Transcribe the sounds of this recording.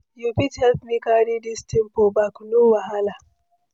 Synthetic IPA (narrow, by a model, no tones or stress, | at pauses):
jupithɛltmikaɾidistimpobaknuwaɦala